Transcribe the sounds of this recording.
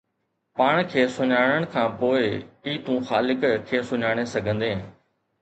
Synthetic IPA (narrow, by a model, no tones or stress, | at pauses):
paːɳ̃kʰeːsʊɲaːɽ̃əɽ̃kʰãːpoːɪiːt̪ũːxaːlɪkkʰːeːsʊɲaːɽ̃esɐɡʱə̃nd̪eɦẽː